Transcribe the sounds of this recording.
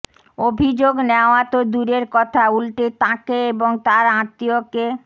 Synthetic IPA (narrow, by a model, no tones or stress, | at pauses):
obʱid͡ʑoɡneoat̪od̪uɾeɾkɔt̪ʰaulʈet̪ãkeeboŋt̪aɾãt̪ːioke